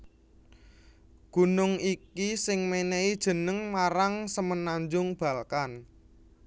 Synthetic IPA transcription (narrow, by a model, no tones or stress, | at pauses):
ɡ̥ṳnʊŋikisɪŋmeneid̥ʒ̥ə̤nəŋmaɾaŋsəmənaɲd͡ʒʊŋb̥a̤lkan